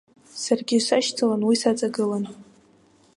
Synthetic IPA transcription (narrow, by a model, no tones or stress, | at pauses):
sarɡʲisaʃt͡sʰalanwisat͡sʼaɡɨlan